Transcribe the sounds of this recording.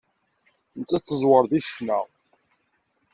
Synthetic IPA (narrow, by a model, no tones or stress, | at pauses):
nət͡sːæt͡sːəzwəɾðiʃnəʁ